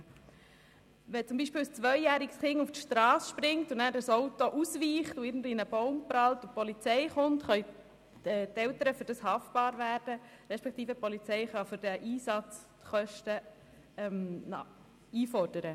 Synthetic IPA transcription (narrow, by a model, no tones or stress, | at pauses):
ʋɛt͡sʊmbiːʃpɪːlst͡sʋœjjæːɾiɡsχɪŋuftʃtɾɑːsʃpɾɪŋtunæːɾdəsowtoʔusʋiːχtuɪːɾɡn̩dʋinəbɔʊmprɑltupɔlit͡sɛɪχʊntχœj | ɛt̪ɛwt̪əɾəfʏɾd̥ɑshɑft̚b̥ɑːɾʋæːɾd̥ə | ɾɛʃpɛk̚t̪iːfəpɔlit͡sɛɪχɑfʏɾd̥ɛʔiːsɑt͡s | t̪χœʃtə | ɛm | iːfɔɾd̥əɾə